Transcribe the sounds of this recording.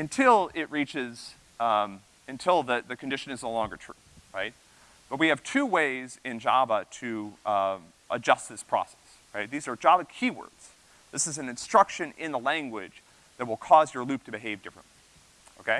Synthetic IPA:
ɨ̃ntʰɪlˠɪʔ̚ɹit͡ʃɪz | ɨ̃ntʰɪlˠðɨðɨkʰɨ̃n̩dɪʃɨ̃nɨznoʊlɔ̃ŋɡə˞tʰɹ̥ʉ | ɹa̰ɪt̚ | b̥ʌt̚wiɨv̥tʰʉweɪzɪ̃nd͡ʒɑbəɾɨ | ʔəd͡ʒʌst̪̚ðɪspʰɹ̥ɔ̰sɛ̥s | ɹaɪt̪̚ðizə˞d͡ʒɑbəkʰiwɜ̰˞dz̥ | ðɪsɨzn̩ɨ̃nstɹ̥ʌkʃɨ̃nɪ̃nðəlæ̃ŋɡwɪd͡ʒ | ðɨt̚wəlˠkʰɔzjə˞lʉp̚tʰɨbɨɦeɪvdɪfɹə̰̃nʔli | oʊkʰeɪ

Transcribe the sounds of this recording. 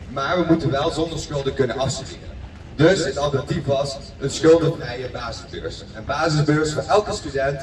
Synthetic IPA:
maːɹʋəmutənʋɛlˠzɔndəɹsχɵlˠdəkɵnənʔɑfsydɪ̰ːrə̰n | dɵsətɑlˠtənɑtipʋɑs | ənsχɵlˠdəvrɛjəbaːzɪzbø̰ːɹs | ɛnbaːzɪzbøːɹsfɔːɹʔɛlˠkəstydɛnt

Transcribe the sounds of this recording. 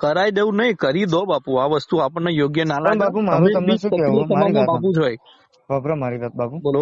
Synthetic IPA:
kəɾajd̪eũnəikəɾid̪obapũaʋəst̪uapəɳnajoɡjənalaauəmekəiet̪əmam̃apũd͡ʒʱoj | ɦbɾomaɾiʋat̪pubolo

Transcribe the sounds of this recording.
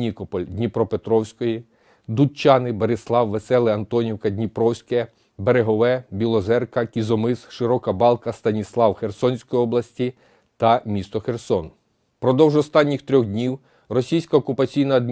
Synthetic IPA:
ikɔpɔlʲdʲnʲipɾɔpet̪ɾɔwsʲkɔji | d̪ut͡ʃːɑnɪbeɾɪslˠɑwʋesɛlˠɪɐnt̪ɔnʲiwkɐd̪ʲnʲipɾɔwsʲkɛ | beɾeɦɔʋɛbʲilˠɔzɛrkɐkʲizɔmɪsʃɪɾɔkɐbɑlˠkɐst̪ɐnʲislˠɑwxersɔnʲsʲkɔjiɔblˠɐsʲtʲi | t̪ɐmʲist̪ɔxersɔn | pɾɔd̪ɔwʒɔst̪ɑnʲːixt̪ɾʲɔɣd̪ʲnʲiw | rɔsʲijsʲkɐɔkʊpɐt͡sʲijnɐɐd̪̚

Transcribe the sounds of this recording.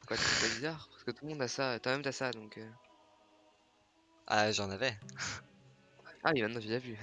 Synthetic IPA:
pu̥ʁkwat̪yɛpabizaʁpasə̥kət̪ulmɔ̃d̪asaøt̪wamɛmt̪asad̪ɔ̃kʰø | a̰ʒɑ̃navɛ | ʔa̰wimɛt̪nɑ̃ʒeʒavy

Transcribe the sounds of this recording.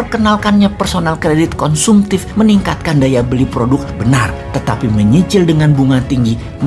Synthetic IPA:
ərkənalkanɲapərsonalkɾedɪt̪̚kɔnsumt̪ɪfməniŋkat̪̚kandajabəlipɾodʊk̚bənart̪ət̪apiməɲit͡ʃɪldəŋanbuŋat̪iŋɡi | m

